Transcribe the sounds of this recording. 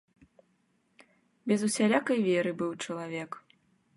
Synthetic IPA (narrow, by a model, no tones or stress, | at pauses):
bʲɛzusʲalʲakɐjvʲɛɾɨbɨwt͡ʂɐlˠavʲɛk